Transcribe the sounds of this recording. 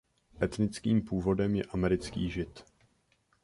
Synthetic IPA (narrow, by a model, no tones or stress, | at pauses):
ʔɛt̪nɪt͡skiːmpuːvo̞dɛmjɛ̰ʔamɛɾɪt͡skḭːʒɪt̪